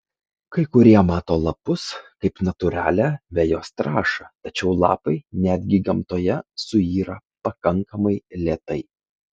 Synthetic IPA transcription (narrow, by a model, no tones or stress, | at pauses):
kɐɪkʊɾʲiɛmɑːt̪oːlˠɐpʊskɐɪpnɐt̪ʊɾʲæ̰ːlʲæʋʲɛjoːst̪ɾɑːʃɐt̪ɐt͡ʃʲɛʊlˠɑ̰ːpɐɪnʲæːd̪ʲɡʲɪɡɐmt̪oːjɛsʊiːɾɐpɐkɐŋkɐmɐɪlʲeːt̪ɐɪ